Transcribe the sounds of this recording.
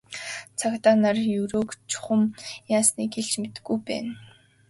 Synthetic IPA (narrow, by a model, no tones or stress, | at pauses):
t͡sʰakt̪aːnarjɵɾoːkt͡ɕʰʊ̥χə̆mjaːsniːkeɮt͡ɕmet̪ɘ̥̆ɡujpæ̰ːn